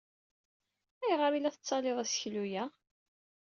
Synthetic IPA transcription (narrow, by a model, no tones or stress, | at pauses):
æjʁɾilæθət͡sːɑlɪðˤæsə̥çlujæ